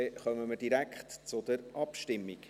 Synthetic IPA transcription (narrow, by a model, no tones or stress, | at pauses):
ɛχœməməɾd̥iɾækχtt͡sʊd̥̪əɾʔɑpʃtɪmːik